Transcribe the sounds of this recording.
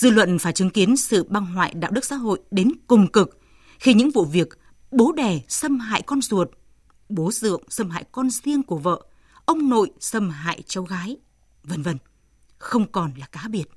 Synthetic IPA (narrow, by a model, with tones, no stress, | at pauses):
zɨ̰˧˨lwə̰˧˨nfaː˧˩jt͡ɕɨ˨˦ŋki˨˦ənsɨ̰˧˨ɓa˧ŋɦwa̰ː˧˨jɗa̰ː˧˨wɗɨ˦˥k̚sa̰˧˥ɦo̰˧˨jɗe˨˦nkʊ˨˩ŋ͡mkɨ˨˩k̚ | xi˧ɲɨ̰˧˥ŋvṵ˧˨vi˨˩ək̚ | ɓo˨˦ɗɛ˨˩sə˧mɦa̰ː˧˨jkɔ˧nzu˨˩ət̚ | ɓo˨˦zɨ̰˧˨əŋsə˧mha̰ː˧˨jkɔ˧nzi˧əŋku˧˩əvə̰ː˧˨ | ʔə˧wŋ͡mno̰˧˨jsə˧mɦa̰ː˧˨jt͡ɕə˨˦wɣaː˨˦j | və˧nvə˧n | xə˧wŋ͡mkɔ˨˩nlaː˨˩kaː˨˦ɓi˧˩ət̚